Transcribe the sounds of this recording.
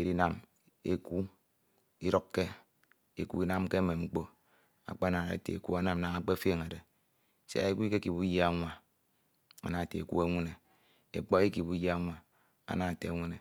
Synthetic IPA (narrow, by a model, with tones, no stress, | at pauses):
e˨ɾi˦na˨m | e˦ku˦ | i˦ɾo˦kːe˦ | e˨kṵ˦i˦na˦mke˦me˨ŋ͡m̩˦k͡po˦ | a̰˨k͡pa˦na˨a̰˨tḛ˨e˨kṵ˦a˦na˨m˨na˨ŋa˦k͡pe˦fe˦ŋe˨de˨ | sḛ˦a̰˨i˦ki˦ke˦ki˨bu˦ja˦ŋʷa˨ | a̰˨na˨tḛ˨ḛ˨ku˦e˦ŋʷe˦ne˨ | ḛ˨k͡po˦i˦ki˨bu˦ja˦ŋʷa˨ | a̰˦na˨tḛ˨˦ŋʷe˦ne˨